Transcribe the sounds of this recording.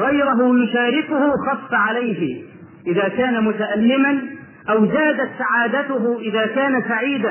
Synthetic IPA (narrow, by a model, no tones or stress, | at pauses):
ɣɑjɾʊɦʊjʊʃaːɾɪkʊhʊxɑfːaʕalajɦɪ | ʔɪðaːkaːnamʊt̪aʔalːɪman | ʔawzaːd̪at̪saʕaːd̪at̪ʊɦʊʔɪðaːkaːnasaʕiːd̪a